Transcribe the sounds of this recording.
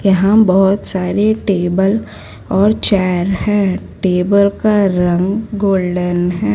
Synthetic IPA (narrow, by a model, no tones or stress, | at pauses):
jɐɦãbɔɦʊt̪saːɾeʈeːbəl | ɔːɾt͡ʃɛːɾhɛ̃ːʈeːbəlkaɾɐ̃ŋɡːoːlɖənɦɛ̃ː